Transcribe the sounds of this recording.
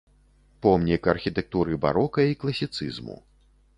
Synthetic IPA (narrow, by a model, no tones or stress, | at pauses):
pɔmnʲikɐrxʲit̪ɛk̚t̪uɾɨba̰ɾɔkɐiklˠɐsʲit̪sɨ̰zmṵ